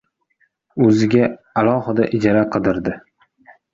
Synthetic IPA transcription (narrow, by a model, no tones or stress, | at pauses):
ɵzɪɡʲa | alˠɒhɪd̪aʔɪd͡ʒaɾaqʰɨd̪ɪɾd̪ɪ